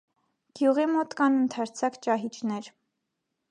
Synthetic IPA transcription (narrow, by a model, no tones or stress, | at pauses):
ɡ̥juʁimɔt̪kɑnənt̪ʰɑɾt͡sʰɑkt͡ʃɑɦit͡ʃʰnɛɾ